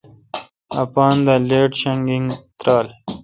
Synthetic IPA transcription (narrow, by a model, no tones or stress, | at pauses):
a̰pɑːnd̪əleːʈɕaŋɡiŋt̪ɾɑːl